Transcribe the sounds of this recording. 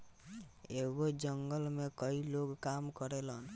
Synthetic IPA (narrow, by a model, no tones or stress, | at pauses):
eɡod͡ʒəŋɡəlmekəiloɡkamkəɾelən